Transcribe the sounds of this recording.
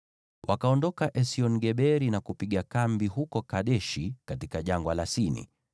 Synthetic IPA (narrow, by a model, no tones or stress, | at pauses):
wakaɔndɔkaʔɛsiɔniɡɛɓɛɾinakupiɠakambiɦukɔkaɗɛʃikatikaʄaŋɡwalasinḭ